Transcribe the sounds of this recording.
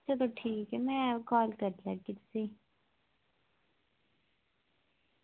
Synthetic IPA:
t͡ʃʰat̪oʈʰiːkɛmɛ̃kɔːlkɐɾd̪lakɪt̪si

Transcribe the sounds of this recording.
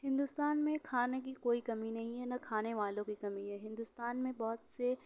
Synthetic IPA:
ɦɪ̃nd̪ust̪aːnmẽkʰaːnek̬ikoːikɐminɐɦĩɦɛnakʰaːneʋaːlõkikɐmiɦɛɦɪ̃nd̪ʊst̪aːnmẽbɔːt̪se

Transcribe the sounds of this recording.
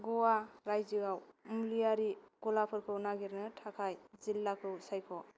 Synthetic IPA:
ɡɔwaɾajzɯɡawmlijaɾiɡ̥ɔlapʰɯɾkʰɯwnaɡiɾnɯtʰakʰajzilːakʰɯwsajkʰɔ

